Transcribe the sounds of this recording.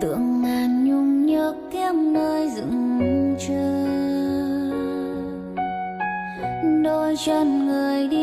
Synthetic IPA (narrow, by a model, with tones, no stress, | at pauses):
t̪ɨ̰˧˨əŋmaː˨˩nɲʊ˧ŋ͡mɲəː˧˦kkɛ˧˥mnəː˧jzɨ̰˧˨˥ŋ˧t͡ɕə˧ | ɗo˧jzə˧˩nŋɨ˨˩əjɗi˧